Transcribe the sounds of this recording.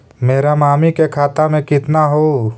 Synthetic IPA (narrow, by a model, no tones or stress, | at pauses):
meːɾamaːmikekʰaːt̪amẽkɪt̪naɦoː